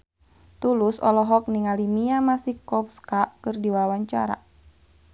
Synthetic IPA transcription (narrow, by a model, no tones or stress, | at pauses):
t̪ulʊsɔ̰lɔɦɔk̚niŋalimiamasihkɔfskakɨrdiwawaɲt͡ʃa̰ɾa̰